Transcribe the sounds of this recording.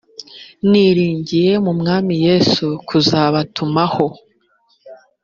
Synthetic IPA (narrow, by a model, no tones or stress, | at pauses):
niɾiːɲɟije̞mumŋaːmije̞ːsukʰuzaːβatʰumaho̞